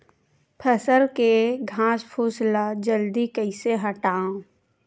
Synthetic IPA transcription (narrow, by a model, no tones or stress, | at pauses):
pʰəsəɾkeɡʱãːspʰuːslad͡ʒəld̪ikəɪseɦəʈaːõ